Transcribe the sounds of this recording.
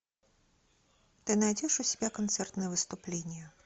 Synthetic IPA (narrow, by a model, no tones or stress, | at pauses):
t̪ɨnajd͡zʲɛʂusʲɛ̥bʲakant̪sɛrt̪nɨjɛvɨst̪uplʲenʲjɛ